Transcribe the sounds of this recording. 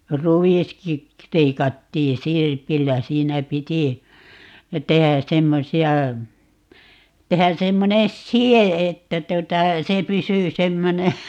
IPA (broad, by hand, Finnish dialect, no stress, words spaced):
ruʋiski leikɑtːiː sirpilːæ siːnæ piti tehæ semːosiɑ tehæ semːonen sie etːæ tuŏtɑ se pysy semːone